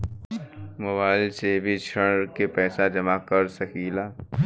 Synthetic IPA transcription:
mʊbaːɪlsebʱit͡ʃʰəɽkepɛːsad͡ʒɐmakəɾsɐkiːlaː

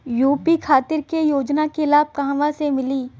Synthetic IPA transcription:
juːpikʰaːt̪ɪɾkejoːd͡ʒnakelaːb̚kaɦʋãsemɪliː

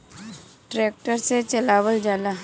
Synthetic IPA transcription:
ʈɾeːk̚ʈəɾset͡ʃəlaːʋəld͡ʒaːla

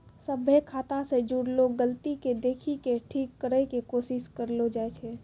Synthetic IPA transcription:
səbʱekʰaːt̪ãsed͡ʒuːɽloɡəlt̪iked̪eːkʰikeʈʰiːkːəɾɛkekoːsɪskəɾlod͡ʒaet͡ʃʰɛ

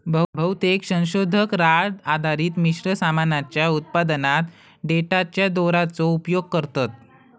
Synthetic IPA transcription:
bʱəbʱəwt̪eksə̃w̃ɕod̪ʱəkɾad͡zad̪ʱaɾiːt̪miɕɾəsamanat͡ɕjaut̪̚pad̪ənat̪ | ɖeʈat͡ɕjad̪oɾat͡sɔupjoɡ̚kəɾt̪at̪̚

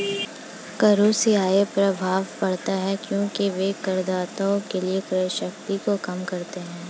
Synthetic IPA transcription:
kɐɾuːsiaːepɾɐbʱaːʋpɐɽt̪aɦɛkjõːkiʋekɐɾd̪aːt̪aõkeliekɾəjʃɐkt̪ikokɐmkɐɾt̪eɦɛ̃ː

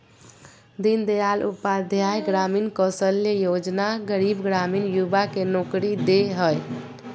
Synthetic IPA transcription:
d̪ind̪əjalṵpad̪ʱjajɡɾaminkəsəlːejod͡ʒnaɡəɾibɡɾamiːnjubakenokɾid̪eɦəj

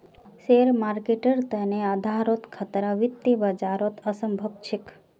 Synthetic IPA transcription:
seɾmaːɾkeʈəɾt̪ənead̪ʱaːɾot̪kʰət̪ɾaʋit̪ːibad͡ʒaɾot̪ʰəsəmbʱəb̚t͡ʃʰik

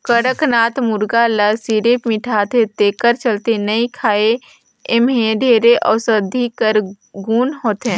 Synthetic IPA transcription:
kəɽəknaːt̪mʊɾɡaləsiɾepmɪʈʰaːt̪et̪eːkəɾt͡ʃəlt̪enəĩkʰaːe | emɦeɖʱeːɾeʔɔ̰ːsəd̪ʱikəɾ | ɡuːnɦoːt̪ɛ̃ː

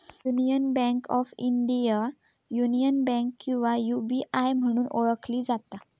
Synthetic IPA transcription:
junijənbɛ̃ŋkɔfiɳɖija | junijənbɛ̃ŋkːĩw̃ʋajubiʔajm̤əɽ̃uːnʔoɭəkʰliːd͡zat̪a

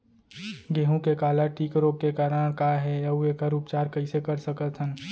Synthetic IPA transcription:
ɡeːɦũkekaːlaʈiːkɾokekaːɾəɽ̃kaɦɛɐuekaɾʊpt͡ʃaːɾkɐɪsekɐɾsəkət̪ɦə̃n

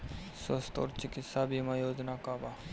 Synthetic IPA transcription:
səst̪o̰ːɾt͡ʃɪkit̪saːbimãjoːd͡ʒnakaba

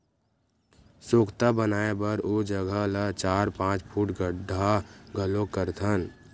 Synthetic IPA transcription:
soːkt̪abənaːebəɾoːd͡ʒəɡʱəlat͡ʃaːɾpãːt͡ʃpʰuːʈɡəɖʱaɡʱəlokəɾt̪ʰən

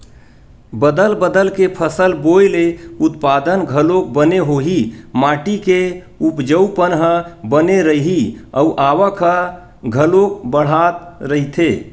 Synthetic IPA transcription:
bəd̪əlbəd̪əlkepʰəsəlbojleʊt̪paːd̪ənɡʱəlok̚bəneɦoɦimaːʈike | upd͡ʒəupənɦəbəneɾəɦiəuʔaːʋəkʰə | ɡʱəlok̚bəɽ̤at̪ɾəɦit̪ʰe

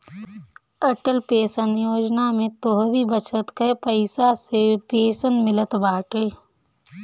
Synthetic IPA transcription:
əʈəlpeːsənjoːd͡ʒnamẽt̪oɦɾibət͡ʃət̪kəpəɪsasepeːsənmɪlət̪baːʈeː

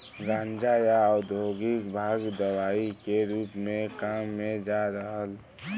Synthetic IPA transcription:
ɡãːnd͡ʒajaʊd̪ʱoɡɪkbʱaːɡd̪əwaːikeɾuːpmẽkaːmːẽd͡ʒaɾəɦəl

